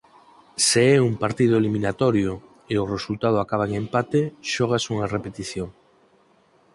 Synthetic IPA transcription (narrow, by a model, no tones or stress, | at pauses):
seɛumpaɾt̪ið̞ʊeliminat̪oɾjo | eʊresult̪að̞ʊakaβ̞aeŋẽmpat̪eʃɔɣ̞asuŋarepet̪iθjoŋ